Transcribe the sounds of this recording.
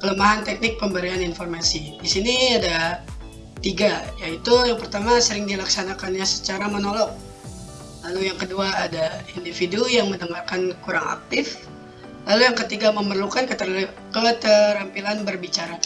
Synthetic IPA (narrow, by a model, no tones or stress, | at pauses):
kələmaɦant̪ɛk̚nɪk̚pəmbəɾianinfɔrmasidisiniada | t̪iɡajait̪ujaŋpərt̪amasəɾɪŋdilaksanakanɲasə̥t͡ʃaɾamənɔlɔk̚ | lalujaŋkəduaːdaindifidujaŋmənəŋarkankuɾaŋa̰k̚t̪ɪf | lalujaŋkət̪iɡaməmərlukankət̪ə | kət̪əɾampilanbərbit͡ʃaɾa